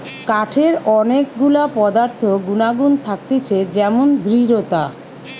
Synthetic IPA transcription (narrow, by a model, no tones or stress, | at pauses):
kaʈʰeɾɔnekɡulapɔd̪aɾt̪ʰoɡunaɡunt̪ʰak̚t̪et͡ɕʰed͡ʑɛmond̪ʱɾiɾot̪a